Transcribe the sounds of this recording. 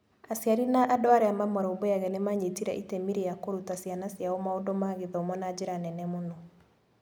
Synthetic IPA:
asiaɾinaʔadoaɾɛamamɔɾɔobɔjaɣɛnemaɲetiɾɛ̰ʔitemiɾijakoɾutasianasijaomaodɔmaɣeðɛomɔnad͡ʑeɾanɛnɛmonɔ

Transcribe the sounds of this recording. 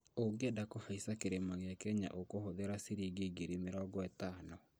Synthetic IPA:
oɡedakofaisakeɾemaɣeakɛɲa̰ʔokohoðeɾasiɾiɡeɡeɾimeɾɔːɡɔɛtaːnɔ

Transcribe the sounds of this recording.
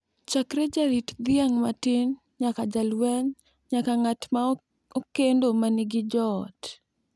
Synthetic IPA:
t͡ʃakɾed͡ʒaɾitd̪ɪaŋmatɪn | ɲakad͡ʒalwɛɲ | ɲakaŋatma | okendomanɪɡɪd͡ʒɔt

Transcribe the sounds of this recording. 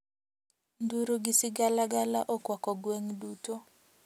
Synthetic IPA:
nduɾuɡɪsiɡalaɡalaʔɔkwakɔɡweŋduto

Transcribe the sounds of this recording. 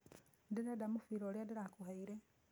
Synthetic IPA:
diɾadamufiɾoliadiɾakuhaiɾe

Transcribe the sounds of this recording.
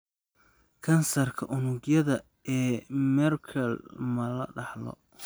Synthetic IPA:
kʰɐnsɐrkʰɐʔʊnʊɡjɐðɐ | ɛːmɛrkʰɐlmɐlɐ̰ɖɑħlɔ̰

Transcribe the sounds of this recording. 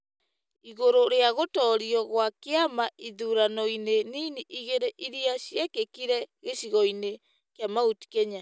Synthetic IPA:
iɣoɾoɾeaɣotɔːɾiɔɣwakeamaiðuɾanɔineniniʔiɣeɾeʔiɾiaɕjɛkekiɾɛɣeɕiɣɔine | keamauti̥kɛɲa

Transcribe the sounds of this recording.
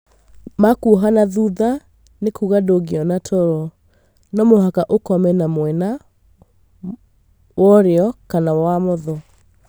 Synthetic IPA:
makuɦanaðuða | nekuɣadoɡeɔnatʰɔɾɔ | nɔmoɦakaʔokɔmɛnamwɛna | wɔɾeɔkanawamɔðɔ

